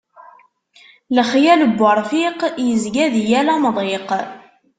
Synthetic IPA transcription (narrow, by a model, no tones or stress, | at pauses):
ləχjæləbːəɾˤfiqjəzɡæðjælæmðˤeq